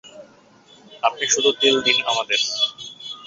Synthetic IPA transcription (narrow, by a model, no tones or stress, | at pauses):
ap̚niʃud̪ʱut̪eld̪inamad̪eɾ